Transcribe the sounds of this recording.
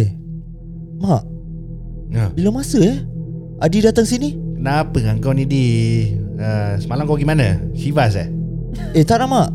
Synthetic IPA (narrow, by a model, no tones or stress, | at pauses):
e | maʔ | əbilamasəɛ | ʔadidat̪aŋsinikənapəŋaŋkawnĩdi | əsəmalamkawɡimanə̰sivas̬ɛ̰ | et̪aʔnamaʔ